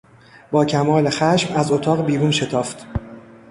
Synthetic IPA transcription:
b̥ɒːcʰæmɒːle̞xæʃmæzot̪ʰɒːɣbiːɾuːnʃe̞t̪ʰɒːft̪

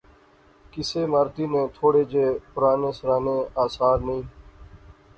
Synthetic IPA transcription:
kɪseːmaːɾt̪iːnẽːt̪ʰoːɽeːd͡ʒeːpʊɾaːnẽːsəɾaːnẽːaːsaːɾnəĩː

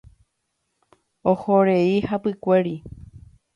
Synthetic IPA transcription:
ohoɾeihapɨkʷe̞ɾi

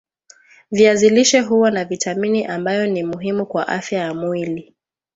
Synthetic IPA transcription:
viaziliʃɛɦuwanavitaminiʔambajɔnimuɦimukwaʔafjajamwili

